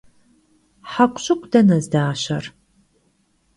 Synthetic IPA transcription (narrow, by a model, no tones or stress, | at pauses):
ħakʷʼɕʼɪkʷʰʼd̥ɐnɐzdaːɕɐ̰r